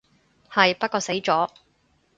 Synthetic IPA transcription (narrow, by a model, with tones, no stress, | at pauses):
hɐ˨jpɐ˥t̚kɔː˧se˨˥jt͡sɔː˨˥